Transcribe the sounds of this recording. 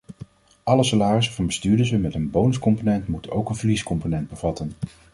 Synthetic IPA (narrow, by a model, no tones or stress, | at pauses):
ʔɑləsalaːrəsəvɑnbəstyːdəzəmɛtənbownəskɔmponɛntmutənowkənvəɹliskɔmponɛnd̚bəvɑtən